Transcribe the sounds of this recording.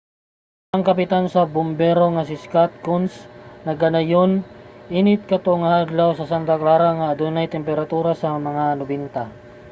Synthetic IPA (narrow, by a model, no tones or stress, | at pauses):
ɐŋkɐpɪt̪ansɐbʊmbɛɾo̞ŋɐsɪskat̪̚kʊnsnɐɡɐnɐjonʔinɪt̪̚kɐt̪oŋɐhaɡlawsɐsant̪ɐklaːɾaŋaːd̪unɐjt̪ɛmpɛɾɐt̪uːɾasɐmɐŋanʊbɛnt̪a